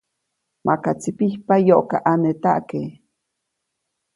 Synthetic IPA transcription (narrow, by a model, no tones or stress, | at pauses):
mʔakat͡sipihpajoʔka̰ʔanet̪aʔke